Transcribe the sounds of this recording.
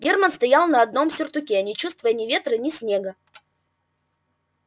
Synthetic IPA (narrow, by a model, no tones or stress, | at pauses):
ɡʲe̞rmənst̪ɐjalˠnɐɐd̪̚no̞msʲʊrt̪ʊkʲenʲɪt͡ɕust̪vəjənʲɪvʲe̞t̪rɨnʲɪsʲnʲeɡə